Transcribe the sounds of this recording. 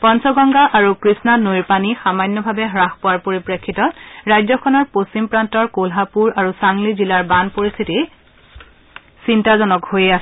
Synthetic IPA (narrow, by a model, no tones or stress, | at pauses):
pɔnsɔɡɔŋɡaʔaɹukɹisnanojɹpanixamanːɔbʱabɛɦɹaxpowaɹpoɹipɹekʰːitɔtɹajzɔkʰɔnɔɹpostimpɹantɔɹkolɦapuɹaɹusaŋlizilaɹbanpoɹist̪ʰiti | sintazɔnɔkhojeasɛ